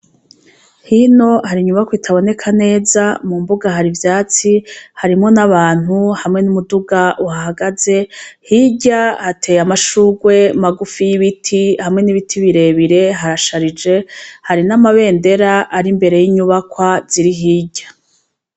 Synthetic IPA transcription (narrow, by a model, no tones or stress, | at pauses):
hino̞haɾiɲuβakwitʰaβo̞ne̞kʰane̞ːzamumbuɡaɦaɾivjaːt͡sihaɾimŋo̞naβaːn̥huhamŋe̞numuduɡaʔuhaɦaɡaze̞hiɟahatʰe̞jamaʃuɡwe̞maɡufijiβitʰihamŋe̞niβitʰiβiɾe̞βiɾe̞ɦaɾaʃaɾid͡ʒe̞haɾinamaβe̞ːnde̞ɾaʔaɾimbeɾe̞jiɲuβakwaz̥iɾiɦiːɟa